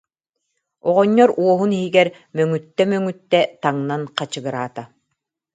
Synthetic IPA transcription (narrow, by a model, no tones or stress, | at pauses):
ɔʁɔɲːɔɾuɔɦuniɦiɡɛɾ | mœŋyt̪ːɛmœŋyt̪ːɛt̪aŋnanqat͡ɕɯɡɯɾaːt̪a